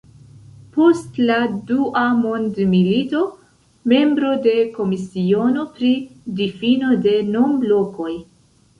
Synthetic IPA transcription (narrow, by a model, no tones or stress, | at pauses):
po̞stladuʔamondmilito̞ | me̞mbɾo̞de̞ko̞misio̞no̞pɾidifino̞de̞nomblo̞ko̞j